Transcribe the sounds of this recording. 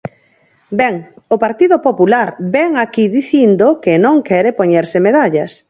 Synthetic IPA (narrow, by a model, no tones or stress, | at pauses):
bɛŋʊpaɾt̪iðʊpopulaɾbɛŋakiðiθind̪okenõŋkɛɾepoɲeɾsɪmeðaʎas